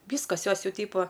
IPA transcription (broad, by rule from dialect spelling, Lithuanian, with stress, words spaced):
ˈʋʲiːskɐs ˈjoːs ˈjɛʊ ˈtʲiːpoː